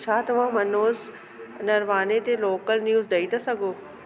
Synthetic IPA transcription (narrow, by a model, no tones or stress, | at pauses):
t͡ʃʰaːt̪ɐʋãːmɐnoːz | nɐɾʋaːnet̪eloːkəlnjuːzɖɐit̪asɐɡoː